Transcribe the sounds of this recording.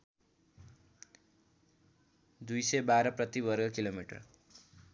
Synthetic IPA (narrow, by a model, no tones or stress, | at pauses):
d̪ujsʌjbaɾʌprʌt̪ibʌrɡʌkilomiʈʌ̰r